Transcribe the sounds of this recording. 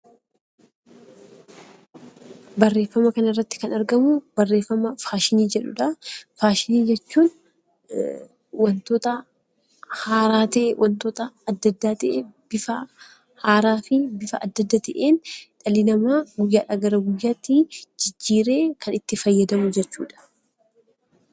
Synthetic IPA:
bɐrːe̞ːfːɐmɐkɐnɪrːɐt̪ːɪ̥kɐnɐɾɡɐmʊbɐrːe̞ːfːɐmɐfaːʃɪniːd͡ʒɛᶑʊᶑɐfaːʃɪniːd͡ʒɛt͡ʃːuːn | wɐnt̪oːt̪ɐ | haːɾaːt̪ɐʔewʔɐnt̪oːt̪ɐːd̪ːɐd̪ːaːt̪ɐʔeːbɪfɐ | haːɾaːfɪbɪfɐɐd̪ːɐd̪ːaːt̪ɐʔeːnᶑɐlɪnɐmaːɡʊjːaːᶑɐɡɐɾɐɡʊjːaːt̪ːɪd͡ʒɪd͡ʒːiːɾe̞ːkʰɐnɪt̪ːɪfɐjːɐd̪ɐmʊd͡ʒɛt͡ʃːuːᶑɐ̥

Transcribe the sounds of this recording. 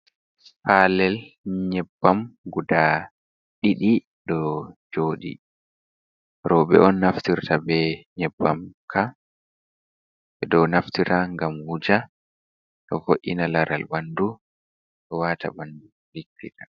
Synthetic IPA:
palɛlɲɛbːamɡuda | ɗiɗi | ɗɔd͡ʒoːɗḭ | ɾɔɓɛ̰ʔɔnːaftiɾtabɛɲɛbːamkʰa | ɓɛɗɔnaftiɾaŋɡamhud͡ʒa | ɗɔfoʔːinalaɾalbandu | ɗɔwata̰bandu | likːiɗa

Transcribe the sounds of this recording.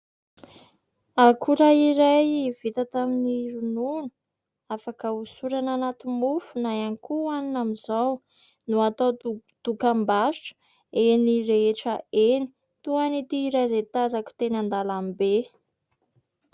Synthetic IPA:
akʰuɾaiɾajiv̥it̪ət̪aminiɾununu̥ | afakəusuɾananat̪imufunajanikuaninamizaw | nuat̪od̪̥ukambaʃu̥ | eniɾeeʈ͡ʂəeni̥ | t̪uanit̪iɾazet̪azaku̥t̪enand̪alambe

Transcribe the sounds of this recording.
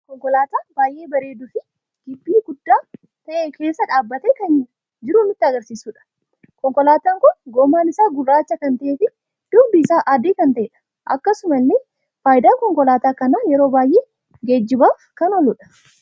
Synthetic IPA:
kɔŋkɔlaːt̪aːbaːjʔe̞ːbɐɾe̞ːd̪ʊfɪ | ɡ̥ɪbːiːɡʊd̪ːaː | t̪ɐʔeːke̞ːsːɐᶑaːbːɐt̪ɛkɐn | d͡ʒɪɾʊmɪt̪ːɪɐɡɐɾsiːsuːᶑɐ̥ | kɔŋkɔlaːt̪aːŋkʊnɡɔːmːaːnɪsaːɡʊrːaːt͡ʃːɐkɐnt̪ɐʔeːfɪ | d̪̥ʊɡbɪːsaːʔaːd̪eːkɐnt̪ɐʔeːᶑɐ̥ | ʔɐ̰kːɐsʊmɐnːɪ | faːjɪd̪aːkɔŋkɔlaːt̪aːkɐnaːjɛɾo̞ːbaːjʔeː | ɡed͡ʒːɪbaːfkɐnɔlʊᶑɐ̥

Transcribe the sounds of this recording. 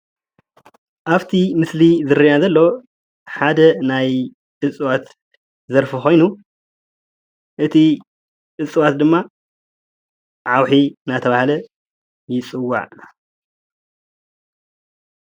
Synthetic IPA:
ʔaβt̪ʰimɨslizɨɾɨjazɐlːo̞ | ħad̪ɐnaj | ʔɨt͡sʼɨwat̪ | zɐɾfɨxo̞jnu | ʔɨt̪ʰi | ʔɨt͡sʼɨwat̪̚d̪ɨmːa | ʕawħinat̪ʰɐβahlɐ | jɪt͡sʼɨwːa̰ʕ

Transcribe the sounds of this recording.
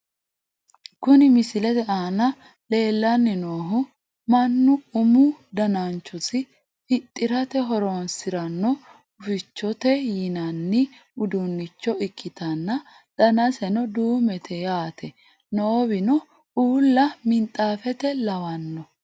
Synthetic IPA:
kʊnɪmɪsɪlɛt̪ɛaːnɐ | le̞ːlːɐnːɪnoːɦʊ | mɐnːʊːmʊd̪ɐnant͡ʃːɔsɪ | fɪt̪ʼːɪɾɐt̪ɛɦɔɾoːnsɪɾɐnːɔ | ʊfɪt͡ʃːɔt̪ɛjɪnɐnːɪʊd̪unːɪt͡ʃːɔɪkʰːɪt̪ɐnːɐ | ᶑɐnɐsɛnɔd̪uːmɛt̪ʰɛjaːt̪ʰɛ | nobɪnɔ | uːlːɐmɪnt̪ʼːaːfɛt̪ɛlɐwɐnːɔ

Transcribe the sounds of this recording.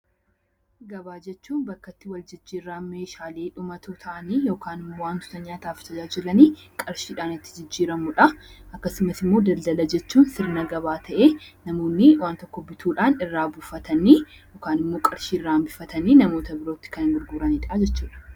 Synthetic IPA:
ɡɐbaːd͡ʒɛt͡ʃːuːnbɐkːɐt̪ːɪwɐld͡ʒɪd͡ʒːiːrːaːme̞ːʃaːle̞ːᶑʊmɐt̪ʰut̪ʰɐʔɐniːjo̞ːkaːnɪmːoːwaːnt̪ʊ̥t̪ɐɲːaːt̪aːfɪ̥t̪ɐd͡ʒaːd͡ʒɪlɐniːkʼɐɾʃiːᶑaːnɪt̪ːɪ̥d͡ʒɪd͡ʒːiːɾɐmʊᶑɐʔɐkːɐsɪmɐsɪmːo̞ːd̪ɐld̪ɐlɐd͡ʒɛt͡ʃːuːnsɪɾnɐɡɐβaːt̪ʰɐʔeːnɐmo̞ːnːɪwaːnt̪ɔkːɔbɪt̪ʰuːᶑaːnɪrːaːbʊfɐt̪ɐni | joːkaːnɪmːo̞ːkʼɐɾʃiːrːaːmbɪfɐt̪ɐninɐmo̞ːt̪ɐbɪɾo̞ːt̪ːɪ̥kɐnŋɡɪɾɡuːɾɐniːᶑɐd͡ʒɛt͡ʃːuːᶑɐ̥

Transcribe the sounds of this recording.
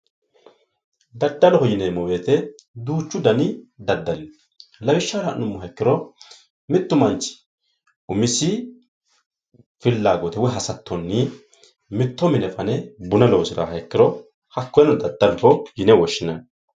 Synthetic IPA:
d̪ɐd̪ːɐlɔhɔjɪnemɔweːt̪ɛ | d̪uːt͡ʃːʊd̪ɐnɪd̪ɐd̪ːɐlɪn | lɐwɪʃːaːɾɐnʊmːʊɦɐkːɪɾɔ | mɪt̪ːʊmɐnt͡ʃːɪ̥ | ʊmɪsɪ | fɪlːaːɡɔt̪ɛwɔɦɐsɐt̪ːɔnːɪ | mɪt̪ːɔmɪnɛfɐnɛbʊnɐlɔwsɪda̰hɐɛkːɪɾɔ | hɐkːɔjɛnɔd̪ɐd̪ːɐlɔhɔjɪnɛwɔʃːɪnɐn

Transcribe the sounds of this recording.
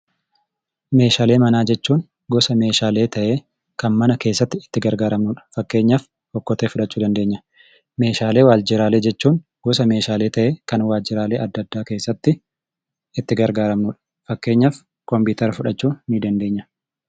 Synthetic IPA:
me̞ːʃaːle̞ːmɐnaːd͡ʒɛt͡ʃːuːn | ɡɔsɐme̞ːʃaːle̞ːt̪ɐʔe̞ː | kɐnmɐnɐke̞ːsːɐt̪ːɪɪt̪ːɪɡɐɾɡaːɾɐmnʊᶑɐ̥fɐkːe̞ːɲːɐf | hɔkːɔt̪eːfʊᶑɐt͡ʃːuːd̪ɐnd̪e̞ːɲːɐ | me̞ːʃaːleːwaːld͡ʒɪɾaːle̞ːd͡ʒɛt͡ʃːuːŋ | ɡ̥ɔsɐme̞ːʃaːle̞ːt̪ɐʔeːkɐnwaːld͡ʒɪɾaːle̞ːʔɐd̪ːɐd̪ːaːke̞ːsːɐt̪ːɪ | ɪt̪ːɪɡɐɾɡaːɾɐmnʊᶑɐ̥ | fɐkːe̞ːɲːɐf | kɔmbiːt̪ɐɾɐfʊᶑɐt͡ʃːuːnid̪ɐnd̪e̞ːɲːɐ

